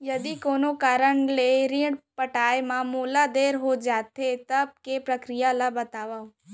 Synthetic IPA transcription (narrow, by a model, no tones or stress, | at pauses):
jɐd̪ikoːnokaːɾəɳleɾɪ̃ɽpəʈaːemãmoːlad̪eːɾɦod͡ʒaːt̪et̪ɐb̚kepɾəkɾijalabɐt̪aːʋaː